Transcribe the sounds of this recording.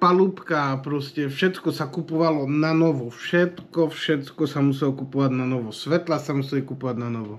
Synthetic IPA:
palupkaːpɾɔscɛfʃɛt̪kɔsakupɔʋalɔnanɔʋɔfʃɛt̪kɔfʃɛt̪kɔsamusɛlɔkupɔʋaɟnanɔʋɔsʋɛt̪lasamusɛlikupɔʋaɟnanɔʋɔ

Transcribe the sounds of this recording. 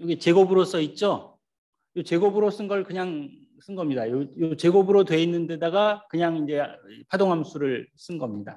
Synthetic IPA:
jʌɡit͡ɕe̞ɡobɯɾosʰʌit̚t͡ɕ͈o | jot͡ɕe̞ɡobɯɾos͈ɯnɡʌɭkɯɲaŋ | s͈ɯnɡʌmɲidajojot͡ɕe̞ɡobɯɾotwe̞inːɯnde̞daɡakɯɲaŋind͡ʑe̞pʰadoŋɦamsʰuɾɯɭs͈ɯnɡʌmɲida

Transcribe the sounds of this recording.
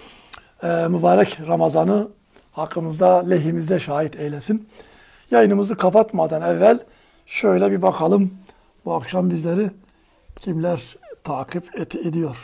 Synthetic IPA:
ɛːmubaːɾɛcɾamazanɯ | hakʰːɯmɯzd̪alʲeɦimizd̪ɛʃaːɦit̪ʰɛjlʲesin | jajɯnɯmɯzɯkʰapʰat̪mad̪anɛvːælʲ | ʃø̞jlʲɛbibakʰalˠɯm | buakʃambizlʲeɾi | cʰimlʲæɾt̪ʰaːkʰɯpɛt̪ʰed̪ijo̞ɾ̥

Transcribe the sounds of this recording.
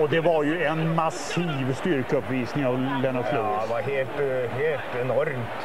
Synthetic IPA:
ɔd̪ɛvaɾjɵɛnmas | iːvst̪ʏɾkəɵpːviːsnɪŋɑvlɛnːəkʰlɵɡɛʋɑɾheːlt̪heːlt̪ɛnɔɾmt̪

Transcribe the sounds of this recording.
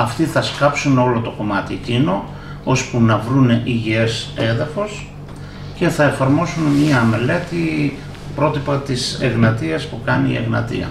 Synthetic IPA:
ɐft̪iθɐskɐpsuno̞lo̞t̪o̞ko̞mɐt̪iecino̞ | ospunɐvɾuneʔiʝiese̞ðɐfo̞s | ce̞θɐe̞fɐɾmo̞sunmɲɐme̞le̞t̪i | pɾo̞t̪ipɐt̪isḛɣnɐt̪iɐspukɐniḭḛɣnɐ̰t̪ḭɐ̰

